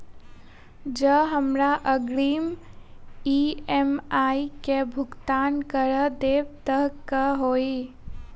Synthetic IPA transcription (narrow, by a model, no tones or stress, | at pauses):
d͡ʒəɦəmɾaʔəɡɽiːm | iemaːikebʱʊɡt̪aːnkəɾəd̪eːbt̪əɦkəɦoːe